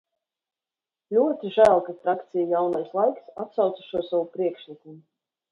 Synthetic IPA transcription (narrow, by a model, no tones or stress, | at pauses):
lʲuɔt̪iʒælˠkat̪ɾakt̪sʲijajawnajslˠajksat̪sawt̪sḁʃuɔsawupɾiɛkʃlʲikumu